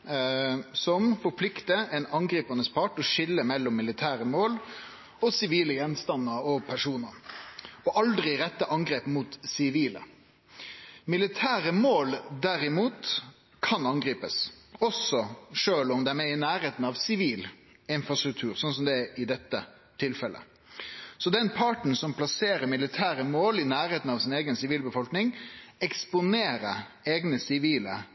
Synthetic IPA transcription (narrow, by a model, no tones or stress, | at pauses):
sɔmfɔɾpʰlɪkt̪əɛnɑŋɡɾiːpɑnəspʰɑʈɔʂɪlːəmɛlːɔmːɪlɪt̪ʰæːɾəmoːl | ɔsɪʋiːləjɛnst̪ɑnːəɾɔpʰæʂuːnəɾɔʔɑld̪ɾɪɾɛt̪ːəʔɑŋɡɾeːpmuːt̪sɪʋiːlə̰ | mɪlɪt̪ʰæːɾəmoːld̪æɾɪmuːt̪ | kʰɑnɑŋɡɾiːpəsɔsɔʂøːlɔmd̪ɛæɾmeɪnæːɾeːt̪n̩ɑʋsɪʋiːl | ɪnfɾɑst̪ɾʉk̚t̪ʰʉːɾsɔns̬ɔmd̪ɛʔɪd̪ɛt̪ːə | t̪ʰɪlfɛlʔə̰ | sɔd̪ɛnpʰɑʈɳ̩sɔmpʰlɑseːɾəɾmɪlɪt̪ʰæːɾəmoːlɪnæːɾeːt̪n̩ɑʋsɪneːɡənsɪʋiːlbəfɔlknɪŋɛkspʊneːɾə | eːɡnəsɪʋiːlə